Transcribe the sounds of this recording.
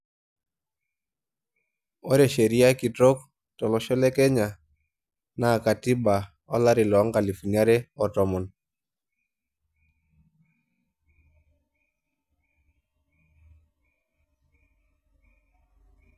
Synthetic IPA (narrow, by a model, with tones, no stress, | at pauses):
ɔ˦ɾe˨ʃe˨ɾi˦a˦ki˨tɾo˦k | tɔ˨lɔ˨ʃɔ˦lɛ˦kɛ˦ɲa˨ | na˨ka˨ti˦ba˨ | ɔ˦la˦ɾɪ˨lɔ˨˦ŋka˨li˨fu˨na˦ɾɛ˦ɔ˨tɔ˨mɔ˨n